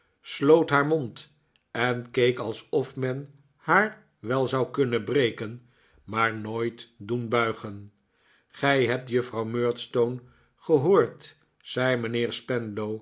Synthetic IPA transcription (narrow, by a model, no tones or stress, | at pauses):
slowtɦaːɹmont | ɛnkejkɑlˠsɔfmɛn | haːɹ | ʋɛlˠzɑwkɵnəbrejkən | maːɹnoːjtdunbœɥχən | χɛjɦɛp̚tjɵfrɑwmøːɹtstown | χəɦoːɹt | z̥ɛjmənɪːɹspɛnlow